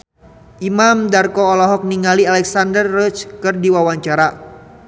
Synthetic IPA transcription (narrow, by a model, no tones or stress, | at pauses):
ʔimamdarkɔːlɔɦɔk̚niŋalialɛksandərːɔt͡ʃkɨrdiwawaɲt͡ʃaɾa